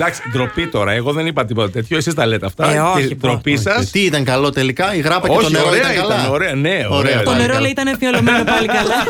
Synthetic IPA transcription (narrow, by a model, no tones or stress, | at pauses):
d̪ɐksid̪ɾo̞pit̪o̞ɾɐeɣo̞ðenipɐt̪ipoet̪et̪çoesizt̪ɐleːt̪eɐft̪ɐoed̪ɾopisɐst̪iit̪ɐŋkɐlo̞t̪e̞likɐiɣɾɐpɐoet̪oneɾoɾiet̪ɐkɐlɐoɾeoneooɾet̪oneɾolɐit̪ɐnefiolomenopɐlikɐlɐ